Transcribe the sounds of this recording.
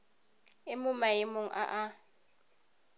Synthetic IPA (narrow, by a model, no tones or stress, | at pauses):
ɪmʊmaɪmʊŋ̩ʔa̰ʔa